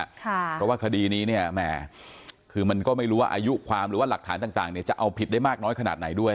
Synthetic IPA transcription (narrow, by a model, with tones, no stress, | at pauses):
kʰɔ˧˩waː˥˩kʰa˧diː˧niː˦˥ni˥˩ɐmɛː˨˩ | kʰɯː˧ma˧nkɔː˥˩ma˥˩jɾuː˦˥waː˥˧ʔa˧ju˦˥kʰwaː˧mɾɯː˨˦waː˥˩la˨˩k̚t̪ʰaː˩˦nt̪aː˨˩ŋt̪aː˨˩ŋni˥˩t͡ɕa˨˩ʔa˧wpʰi˨˩t̪̚a˥˩maː˥˩k̚nɔː˦˥jkʰa˧naː˨˩t̪̚na˩˦jdu˥˩əj